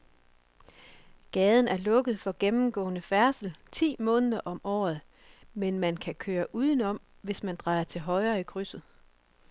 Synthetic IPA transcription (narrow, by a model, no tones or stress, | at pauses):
ɡ̥ɛːðˠn̩æɐlɔ̽ɡ̥əð̩ˠfɒ̽ɡ̥emm̩ɡ̥ɔ̰̽ːnəfæɐsl̩t͡sʰḭːmɔ̽ːnəðˠɐʔɒ̽mʔɒ̰ːð̞̩ˠ | menmænkʰækʰøːɐʔuːðˠn̩ɒ̽m̰ʋe̝smænd̥ʁɑ̈ɪɐt͡sʰe̝lɦɒ̽ɪɐːikʰʁysð̩ˠ